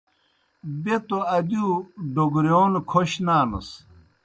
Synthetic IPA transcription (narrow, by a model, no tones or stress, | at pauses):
bet̪oɐd̪juːɖoɡɾjoːnkʰoɕnaːnɐ̰s